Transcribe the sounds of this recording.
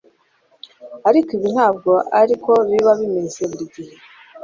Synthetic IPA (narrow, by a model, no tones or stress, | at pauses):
aɾikiβin̥haːb̚ɡo̞ʔaɾiko̞βiβaβimeseβuɾiɟihe